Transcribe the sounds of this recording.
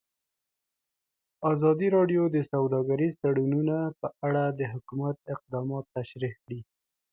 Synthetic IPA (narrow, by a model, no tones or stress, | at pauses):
ɑzɑd̪iɾɑɖjod̪əsawd̪ɑɡaɾizt̪aɽununapəʔaɽad̪əɦʊkumat̪̚ɪq̚d̪ɑmɑt̪ːaʃɾikɽi